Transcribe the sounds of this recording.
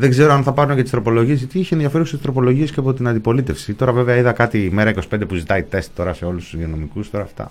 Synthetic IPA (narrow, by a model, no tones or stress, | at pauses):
ðeɡze̞ɾoɐnθɐpɐɾunecet̪ist̪ɾo̞po̞lo̞ʝie̞sit̪iiçienðiɐfe̞ɾuset̪ist̪ɾo̞po̞lo̞ʝie̞sceɐpo̞t̪inɐnd̪ipo̞lit̪e̞fsit̪o̞ɾɐve̞veɐiðɐkɐt̪ime̞ɾɐiko̞si̥pnd̪epuzit̪ɐit̪e̞st̪t̪ːo̞ɾɐse̞o̞lusuðiono̞mikust̪o̞ɾɐft̪ɐ̰